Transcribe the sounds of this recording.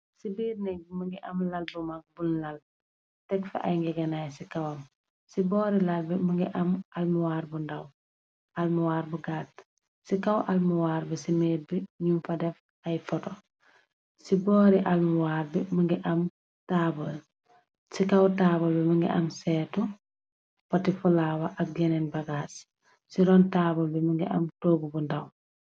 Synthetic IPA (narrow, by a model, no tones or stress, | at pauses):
sibiːrnɛɡ̚məŋɡiʔɐmlɐlbumak̚bunlal | tɛkfɛ̰ʔa̰jŋɡɛɡɛnaːjsikawɐm | sibɔːɾilalbiməŋɡiʔamʔalmuwaːɾbundaw | ʔalmuwaːɾbuɡaːt | sikawʔalmuwaːɾbisimeːbiɲumfɐdɛf | ajfɔtɔ | sibɔːɾiʔalmuwaːɾbɛmuŋɡiʔam | tabɔl | sikawtaːbɔlbɛmɐŋɡḭʔamsɛtu | pɔtifulawaʔɐk̚ɡɛnɛnbɐɡaːs | siɾɔntabɔlbɛmuŋɡiʔamtoːɡubundaw